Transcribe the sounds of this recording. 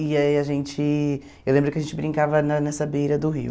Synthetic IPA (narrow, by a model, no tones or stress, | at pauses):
iaiɐʒẽnt͡ʃɪ | ewlẽmbɾʊkɪɐʒẽnt͡ʃɪbɾĩŋkavɐnɐnɛsɐbejɾɐd̪ʊɦḭw